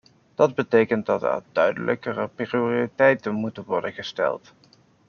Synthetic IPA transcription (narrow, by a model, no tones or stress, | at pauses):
d̥ɑd̚bətejkənt̚dɑtə̰d̥œɥdəlʔəkərəprrioritɛjtənmutənʋɔɹdənχəstɛ̰lˠt